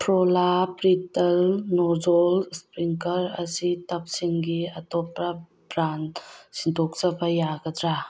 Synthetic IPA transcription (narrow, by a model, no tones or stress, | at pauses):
pʰɾɔlapɾitɐlnɔzɔlspɾiŋkɐɾɐ̰sitɐp̚siŋɡiɐtɔpɾɐ | bɾansintʰɔk̚zɐbɐjaɡɐd̪ɾa